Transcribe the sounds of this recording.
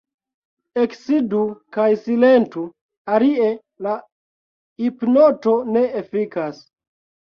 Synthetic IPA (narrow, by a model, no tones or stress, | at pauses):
eksidukajsilentu | alie | la | ipnoto̞ne̞ːfikas